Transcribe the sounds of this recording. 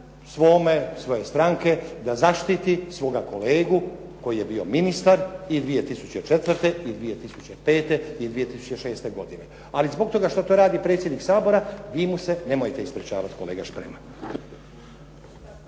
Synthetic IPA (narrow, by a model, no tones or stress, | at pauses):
sʋo̞ːmesʋo̞je̞st̪ɾaŋke̞d̪azaʃt̪it̪isʋo̞ɡako̞leːɡu | ko̞jije̞biːo̞minist̪aɾid̪ʋije̞t̪isut͡ɕet͡ʃet̪ʋɾt̪e̞id̪ʋije̞t̪isut͡ɕepe̞ːt̪e̞id̪ʋije̞t̪isu̥t͡ɕeʃe̞ːst̪e̞ɡo̞d̪ine̞ | alizbo̞ɡ̚t̪o̞ɡaʃt̪ot̪oːɾaːd̪ipɾe̞t̪sʲjed̪niksaːbo̞ɾaʋiːmuse̞ne̞mojet̪eispɾet͡ʃaːʋat̪ko̞leːɡaʃpɾema